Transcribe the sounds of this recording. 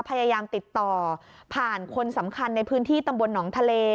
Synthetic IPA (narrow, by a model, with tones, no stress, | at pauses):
pʰa˧jaː˧jaː˧mt̪i˨˩t̪ːɔː˨˩pʰaː˨˩nkʰo˧nsa˩˦mkʰa˧nːa˧jpʰɯː˦˥nt̪ʰiː˥˩t̪a˧mbo˧nːɔː˩˦ŋt̪ʰa˧leː˧